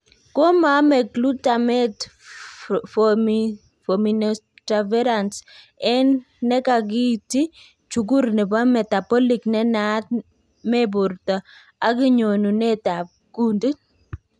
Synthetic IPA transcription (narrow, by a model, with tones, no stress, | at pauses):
ko˦ma˨˦mɛ˨klu˦ta˨mɛ˦ | f | fo˨mi˨nta˨vɛ˦ɾa˨ns | ɛ˦nː | ɛ˦ka˨ɡi˦ti˦ | t͡ʃu˨ɡ̬u˦ɾnɛ˨ba˦mɛ˨ta˨pɔ˦li˨knɛ˦na˦t̚ | mɛ˦bʊ˨ɾtɔ˨ | a˦kɪ˦ɲo˨nu˨nɛ˦ta˨ | ku˦ndi˦